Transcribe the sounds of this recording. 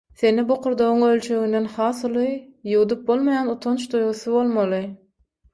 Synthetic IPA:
θe̞niboqʰuɾd̪oʁuŋølʲt͡ʃʰø̞ɣynd̪e̞nχɑːθulˠɯjuwd̪up̚bo̞lˠmojɑnut̪ʰont͡ʃd̪ujʁuθuβo̞lˠmɑlˠɯ

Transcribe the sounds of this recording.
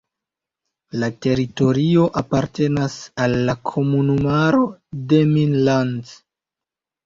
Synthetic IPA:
late̞ɾito̞ɾio̞ʔapaɾte̞nasalːakʰo̞munumaɾo̞deminlan

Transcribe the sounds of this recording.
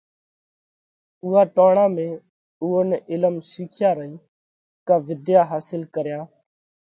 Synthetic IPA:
ʊːaːʈoːɳãːmẽː | uːoːnɛʔɪləmʃiːkʰjaːɾəɦiː | kaːʋɪd̪jaːɦaːsɪlkəɾjãː

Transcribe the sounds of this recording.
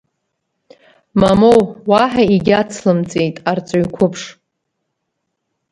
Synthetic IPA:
mamowwaħaiɡʲat͡sʰlɨmt͡sʼejtʼart͡sʷʼoikʷʰʊpʰʂ

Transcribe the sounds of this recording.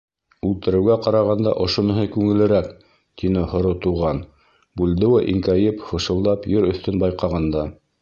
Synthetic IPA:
ʉlt̪ɘ̆ɾɘ̆wɡæqɑɾɑʁɑnd̪ɑ̰ʔŏʃŏnɤ̆ɦɤkʉŋɘ̆lɘ̆ɾæk | t̪inɘhŏɾot̪uʁɑn | bʉld̪ɘwæʔiŋkæjɘpχŏʃɤ̆lˠd̪ɑpjɵɾɵ̆θt̪ɵnbɑjqɑʁɑnd̪ɑ

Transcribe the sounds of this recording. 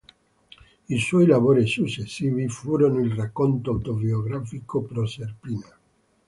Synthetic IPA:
iswɔjlavoːɾisut͡ʃːesːiːvifuːɾonoilrakːont̪oawt̪obioɡɾafikopɾoserpina

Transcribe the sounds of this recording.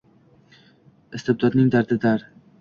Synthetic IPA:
ɪst̪ʰɪb̚d̪ɒd̪nɪŋd̪aɾd̪ɪd̪aɾ

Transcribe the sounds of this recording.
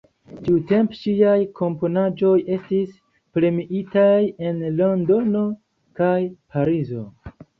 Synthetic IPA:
tiute̞mpʃiajkʰo̞mpo̞nad͡ʒo̞je̞stis | pɾe̞miʔitaje̞nlondo̞no̞ | kajpʰaɾizo̞̰

